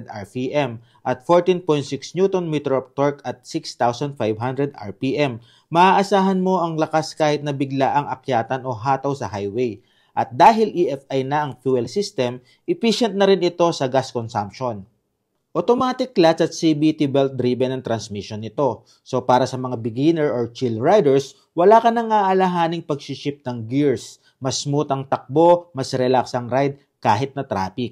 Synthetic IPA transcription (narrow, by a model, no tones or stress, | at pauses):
d̪aɹpiʔɛm | ʔɐt̪̚foɹt̪inpojnsɪksnjuːt̪onmit̪ɹop̚t̪oɹkɐt̪̚sɪkst̪awsɐnd̪̚fajbɦand̪ɾɛd̪ʔa̰ɹpiʔɛmː | ɐʔaːʔɐsaːɦɐnmo̞ʔɐŋlɐkaskaːhɪt̪̚nɐbɪɡlaʔɐŋʔɐkjaːt̪ɐno̞ɦaːt̪ɐwsɐhajwej | ʔɐt̪̚d̪aːɦɪlʔiʔɛfʔajnɐʔɐŋfjuːɛlsist̪ɛm | ʔɪpiʃɛnt̪̚nɐɾɪnʔɪt̪o̞sɐɡaskonsɐmpʃon | ʔot̪omaaːt̪ɪkːlasɐt̪̚sibit̪ibɛlt̪̚d̪ɾiːbɛnɐŋt̪ɾɐnsmiʃonɪt̪o̞ | so̞paːɾɐsɐmɐŋabɪɡinɛɹoɹt͡ʃilɹajd̪ɛɹs | wɐlaːkɐnɐŋʔaːʔɐlɐɦaːnɪŋpɐɡ̚ʃɪʃɪp̚nɐŋɡiɹs | mɐsmuːt̪ɐŋt̪ɐk̚bo̞mɐsɾɛlaksɐŋɾajd̪̚ | kaːɦɪt̪̚nɐt̪ɾa̰ːpɪk̚